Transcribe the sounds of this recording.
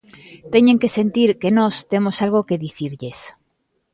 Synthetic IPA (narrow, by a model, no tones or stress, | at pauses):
t̪eɲẽŋkesent̪iɾkenɔst̪emosalɣ̞okeðiθiɾʎes